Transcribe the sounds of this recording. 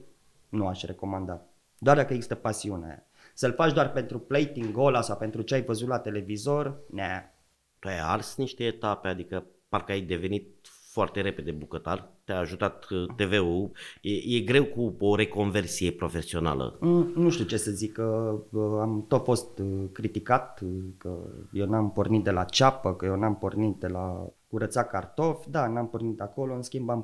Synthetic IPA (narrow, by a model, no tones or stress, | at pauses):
nuaʃʲre̞ko̞mand̪at̪̚ | d̪oard̪akəjeɡzist̪əpasiunḛ | səlfat͡ʃd̪oarpe̞nt̪ɾuplejt̪iŋɡo̞lasawpe̞nt̪ɾut͡ʃeajvəzut̪lat̪e̞le̞vizo̞rne | t̪uaja̰rsniʃt̪e̞ːt̪ape̞ad̪ikəparkəajd̪e̞ve̞nit̪̚ | foart̪e̞ɾe̞ped̪ebukət̪a̰rt̪eaaʒut̪at̪ːe̞ve̞ujeje̞ɡɾe̞wkuoɾe̞ko̞nve̞rsije̞pɾo̞fe̞sio̞na̰lə̰nuʃt̪iut͡ʃe̞səzikːə | amt̪o̞t̪fo̞st̪kɾit̪ikat̪kə̰jewnampo̞rnit̪̚d̪e̞lat͡ʃapəkəjewnampo̞rnit̪̚d̪e̞la̰kuɾət̪sakart̪o̞fʲd̪anampo̞rnit̪ako̞loɨnskʲimbam